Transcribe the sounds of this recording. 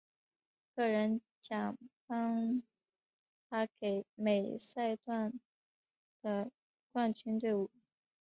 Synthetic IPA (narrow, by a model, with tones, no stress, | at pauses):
kɤ˥˩ɻə˧˥n | t͡ɕjɑ˨˩ŋpɑ˥ŋ | t̪ʰa˥ke˧˩˥ɪme˨˩ɪsa˥˧ɪt̪wa˥˩n | d̪̥ə˩ | kwa˥˩nt͡ɕʰy˥nt̪we˥˩ɪu˨˩˦